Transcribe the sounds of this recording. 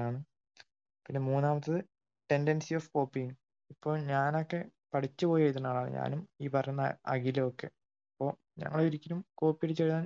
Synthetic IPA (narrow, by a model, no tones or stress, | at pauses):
aːɳɨ | pinːemuːnːaːmɐt̪ːɐðɨ | ʈe̞ndensioːfko̞ːpːijiŋ | ipːo̞ːɭɲaːno̞kːe̞pɐʈʰit͡ɕːɨpoːjiʋɐjt̪̬ːuɳːaːɭaːɳɨ̰ɲa̰ːnumiːpɐrɐjunːɐɐ̰ɣilɐokːe̞̰ | ipːo̞ː | ɲɐ̰ŋːɐɭiɾikʲːɐlumko̞ːpːijɽit͡ɕːeɻuðaːn